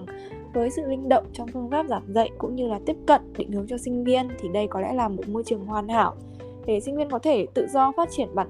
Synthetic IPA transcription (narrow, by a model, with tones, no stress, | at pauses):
vəː˨˦jsɨ̰˧˨vï˧ŋ̟ɗə̰˧˨wŋ͡mt͡ɕɔ˧wŋ͡mfɨ˧ənfaː˦˥p̚zaː˧˩mzə̰˧˨jkʊ̰˧˥ŋ͡mɲɨ˧laː˨˩t̪i˦˥əp̚kə̰˧˨nɗe˧˩ŋhɨ˨˦wt͡ɕɔ˧sï˧ŋ̟vi˧ənt̪ʰi˨˩ɗə˧jkɔ˨˦lɛ̰˧˥laː˨˩mo˨˩t̚mo˧jt͡ɕɨ˨˩əŋhwaː˨˩nha̰ː˧˩w | ɗe˧˩si˧ŋ̟vi˧ənkɔ˨˦t̪ʰe˧˩t̪ɨ̰˧˨zɔ˧faː˦˥t̚t͡ɕi˧˩ənɓaː˧˩